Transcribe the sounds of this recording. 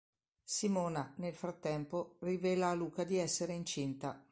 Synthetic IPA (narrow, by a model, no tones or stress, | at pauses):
simoːnanelfɾat̪ːɛmporivɛːlaːluːkad̪iɛsːeɾeint͡ʃint̪a